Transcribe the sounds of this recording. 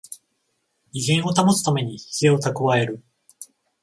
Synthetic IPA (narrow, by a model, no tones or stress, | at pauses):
iɡẽɰ̃o̞t̪amosɨ̥t̪ame̞ɲ̟içi̥se̞ot̪akɯβae̞ɾɯ̟